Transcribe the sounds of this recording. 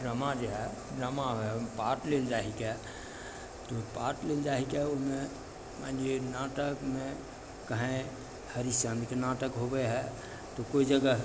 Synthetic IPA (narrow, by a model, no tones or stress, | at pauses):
ɾəmad͡ʒoɦɛ | ɾəmaɦoɦɛpaʈleld͡ʒaːɦikɛ | t̪opaʈleld͡ʒaːɦikɛomẽ | mãnd͡ʒenaʈəkmẽ | kəɦẽ | həɾisãnd̪ikenaːʈəkɦobəɦɛ | t̪okoid͡ʒəɡə